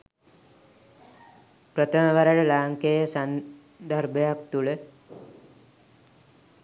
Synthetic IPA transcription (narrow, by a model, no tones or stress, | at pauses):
pɾət̪ʰəməʋaɾaɽəlaːŋkejəsan | d̪ʱəɾbəjakt̪uɭə